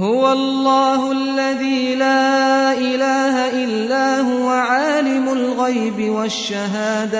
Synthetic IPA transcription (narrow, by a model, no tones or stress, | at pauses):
hʊwaɑllˤːɑːɦʊalːaðiːlaːʔɪlaːɦaʔɪlːaːɦʊwaʕaːlɪmʊlɣajbɪwaʃːaɦaːd̪a